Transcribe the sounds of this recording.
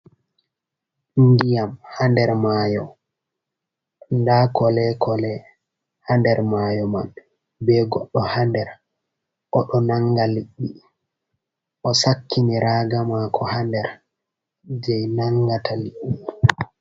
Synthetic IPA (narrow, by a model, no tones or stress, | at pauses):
indijamhandɛɾmajɔ | ndakɔlɛkɔlɛ | handɛɾmajɔman | bɛːɡɔɗːɔhandɛɾ | ʔɔɗɔnaŋɡaliɗːi | ʔɔsakːiniɾaːɡamakʰɔhandɛɾ | d͡ʒɛjnaŋːɡatʰaliɗːi